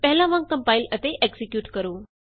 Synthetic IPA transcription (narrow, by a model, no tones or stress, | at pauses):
pɛɦlãʋãːŋɡkɐmpaːilət̪eʔeːksikjuːʈkəɾuː